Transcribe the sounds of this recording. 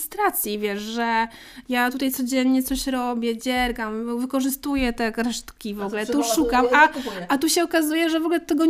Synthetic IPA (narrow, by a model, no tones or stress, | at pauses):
st̪ɾat̪sʲjivʲjɛʂʐɛ | jat̪ut̪aj̪sɔd͡ʑɛnɲɛt̪sɔɕɾɔbʲjɛd͡ʑɛɾɡamvɘkɔʐɘst̪ujɛt̪ɛkɾɛʂt̪kʲivɔɡlɛt̪uʂukamaʔat̪uɕɛɔkazujɛʐɛvɔɡlɛt̪ɛɡɔ